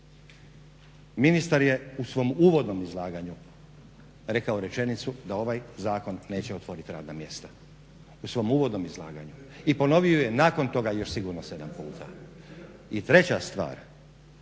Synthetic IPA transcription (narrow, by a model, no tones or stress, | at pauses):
minist̪aɾje̞usʋo̞muːʋo̞d̪no̞mizlˠaːɡaɲu | ɾe̞kaoɾe̞t͡ʃe̞nit̪sud̪ao̞ʋajzaːko̞nːe̞ːt͡ɕeo̞t̪ʋo̞ɾit̪iɾa̰ːd̪namje̞st̪ḁ | usʋo̞muːʋo̞d̪no̞mizlˠa̰ːɡaɲu | ipo̞no̞ʋioje̞naːko̞nt̪o̞ɡajo̞ʃsiɡuɾnose̞d̪ampuːt̪ʰa̰ | it̪ɾe̞t͡ɕast̪ʋa̰ːɾ